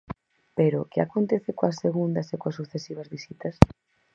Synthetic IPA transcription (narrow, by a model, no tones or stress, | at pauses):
peɾokɪakont̪eθɪkoasːeɣund̪ɐsekoasuθesiβɐzβisit̪ɐs